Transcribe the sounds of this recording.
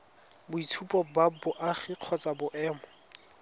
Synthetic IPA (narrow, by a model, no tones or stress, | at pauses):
bʊitʰupʼɔbabʊʔaχiq͡χʰɔt͡sʼabʊʔɛːmɔ